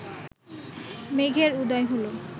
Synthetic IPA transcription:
meɡʱeɾud̪ɔjɦolo

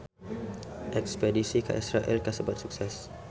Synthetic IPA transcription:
ʔɛkspɛdisika̰ʔisɾaʔɛlkasəbat̪̚suksɛs

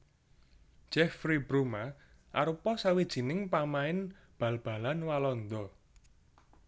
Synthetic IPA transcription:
ʒ̥ɛfɾibɾuma | ʔaɾupɔsawid̥ʒ̥i̤nɪŋpamaɪn | b̥ä̤lb̥a̤lanwalɔnd̪ɔ

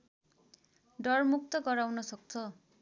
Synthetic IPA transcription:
ɖɔrmuk̚t̪ɔkɔɾawnɔsʌk̚t͡sʰʌ

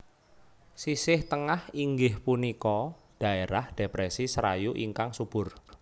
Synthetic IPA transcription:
sisɪht̪əŋahiŋɡɪhpunikɔ | ɖ̥ä̤eɾahɖ̥epɾɛsisəɾa̰juʔiŋkaŋsub̥ʊ̤r

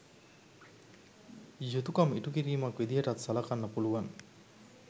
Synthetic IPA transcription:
jut̪ukɐmiʈukiɾiːmɐkʋed̪iɦeʈat̪sɐlakanːɐpuluʋaŋ

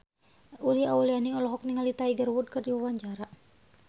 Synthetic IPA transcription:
uliaulianiɔlɔɦɔk̚niŋalit̪aiɡərwud̪̚kɨrdiwawaɲd͡ʒaɾa

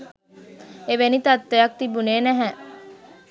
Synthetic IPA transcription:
eʋenit̪ɐt̪ːejɐk̚t̪ibuneːnæɦɛ

